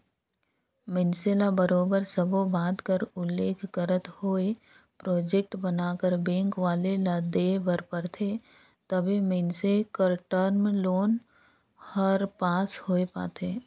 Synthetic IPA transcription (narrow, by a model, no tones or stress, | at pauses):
mɪnselabəɾoːbəɾsəbobaːd̪kəɾʊlːeːkʰɡəɾət̪hoːe | pɾɔːd͡ʒek̚ʈbənaːkəɾbẽːŋkʋaːlelad̪ebəɾpəɾt̪ʰe | t̪əbʱimɪnsekəɾʈəɾmloːn | həɾpaːshoːepa̰ːt̪ʰeː